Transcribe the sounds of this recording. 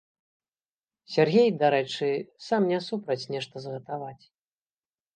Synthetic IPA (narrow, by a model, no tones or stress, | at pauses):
sʲarɣʲejd̪aɾɛt͡ʂɨsamnʲɛsupɾɐt͡sʲnʲɛʂt̪ɐzɣɐt̪avat͡sʲ